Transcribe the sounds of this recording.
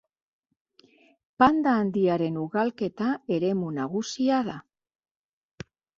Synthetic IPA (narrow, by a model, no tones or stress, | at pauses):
pand̪aːnd̪iaɾe̞nuɣalke̞t̪ae̞ɾe̞munaɣusiaða